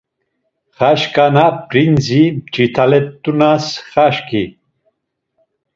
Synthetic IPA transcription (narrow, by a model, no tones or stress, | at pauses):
χaʃkʼanapɾinzit͡ʃit̪ʰalɛt̪ʼːunasχaʃki